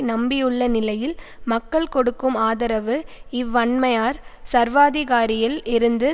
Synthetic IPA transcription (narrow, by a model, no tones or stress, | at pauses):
nɐmbɪjɯɭːɐnɪlɐjɪl | mɐkːɐɭkɔɽɯkːɯmaːðɐɾɐʋɯɪʋːɐɳmɐjaːɾsɐɾʋaːðɪɣaːɾɪjɪlɪɾɯnd̪ɯ